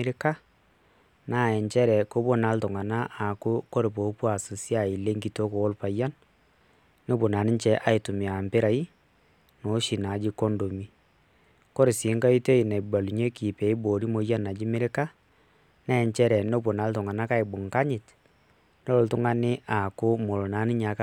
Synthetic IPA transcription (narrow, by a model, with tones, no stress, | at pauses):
ɾɪ˦ka˦ | na˦˨ɛ˨ɲt͡ʃɛ˦ɾɛ˨ko˦bo˦na˦ltʊ˨ŋa˨na˦ʔa˨ku˦ko˦ɾe˨p̬o˨˦pwa˨su˨sja˨i˨le˦ŋki˨to˦ko˨o˦lpa˨ja˦n | no˦bo˨na˨nɪ˦ɲt͡ʃɛ˦ʔa˦i˨tu˨mi˨a˨mpɪ˦ɾa˨i˦ | no˨˦ʃi˨na˨d͡ʒi˦ko˦ndo˨mi˦ | ko˦ɾɪ˨si˨˦ŋka˦i˦te˦i˨na˨i˨ba˨lu˨ɲe˦ki˨pɛ˨i˦bo˨ɾi˦mo˨˦ja˦na˨d͡ʒi˦mɪ˦ɾɪ˦ka˦ | na˦ɛ˨ɲt͡ʃɛ˦ɾɛ˨no˦bo˨na˨˦ltʊ˨ŋa˨na˦ka˦ɪ˨bʊ˨ŋka˦ɲɪ˨t | no˦o˨ltʊ˦ŋa˦nɪ˦ʔa˨kʊ˦mo˨lo˨na˨˦nɪ˦ɲa˨k